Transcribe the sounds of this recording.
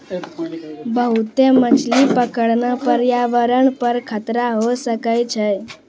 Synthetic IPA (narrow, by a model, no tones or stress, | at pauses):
bəɦut̪emət͡ʃʰlipəkəɽnapəɾjaʋəɾəɳpəɾkʰət̪ɾaɦosəkəjt͡ʃʰe